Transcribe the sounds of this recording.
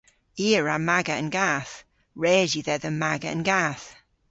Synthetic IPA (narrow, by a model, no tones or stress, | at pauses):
iəɹamaɡəə̃nɡaθ | ɹɛːziðɛðəmaɡəə̰̃nɡaθ